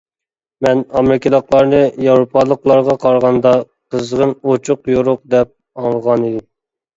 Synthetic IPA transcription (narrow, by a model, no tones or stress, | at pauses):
mɛnɑmɾɪkʲilɑqlˠɑɾnɨjɑwɾopʰɑlˠəqlˠɑɾʁɑqʰɑɾʁɑnd̪ɑ | qʰəzʁənot͡ʃʰʊqjoɾʊq̚d̪ɛp̚ | ɑŋlˠəʁɑnid̪ɪm